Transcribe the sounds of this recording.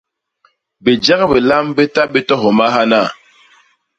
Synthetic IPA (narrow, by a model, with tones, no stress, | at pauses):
be˨d͡ʒa˦ɣbe˨la˦mbe˦ta˦be˦tɔ˦ɦo˨ma˦ɦa˦na˦˨